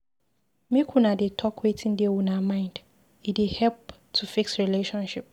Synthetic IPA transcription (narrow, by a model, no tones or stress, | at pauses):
mekʰũnadetʰɔkʰwetʰĩndewunamãɪ̃nd̥ | idehɛlp | tʰufiksɹileʃɔ̃nʃip̚